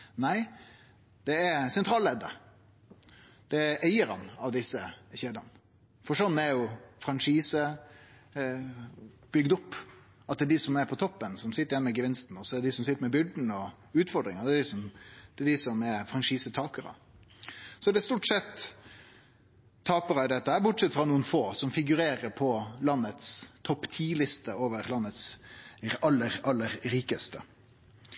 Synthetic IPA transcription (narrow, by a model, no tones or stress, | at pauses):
næɪ | d̪̥ɛæɾsɛnt̪ʰɾɑːlɛd̪ə̰ | d̪̥ɛɾæɪəɾɑ̰nɑʋd̪ɪsːəçeːd̪ɑn | fɔʂɔnːɛɾjʊfɾɑnʂiːsə | b̥ʏɡd̪ʊpː | ɑt̪̚d̪ɛɖ̪ɪsɔmɛɾpʰɔt̪ʰɔpːənsɔmsɪt̪ːəɾjɛnːmɛɡəʋɪnst̪n̩ɔsɔɛd̪ɛd̪ɪsɔmsɪt̪ːəɾmɛbʏɖn̩ɔ | ʉːt̪fɔɾɖ̪ɾɪŋɑd̪ɛd̪ɪsɔmd̪̥ɛɖ̪ɪsɔmɛɾfɾɑnʂiːsət̪ʰɑːkəɾɑ̰ | sɔd̪ɛst̪uːʈsɛt̪ː | ɑːpəɾɑɪd̪ɛt̪ːəæɾbʊʈsɛt̪ːfɾɑnuːənfoːsɔmfɪɡʉɾeːɾəɾpʰɔlɑnːət̪st̪ʰɔpːt̪ʰiːlɪst̪əoːʋəɾlɑnːət̪s | ɑlːəɾɑlːəɾɾiːkəst̪ə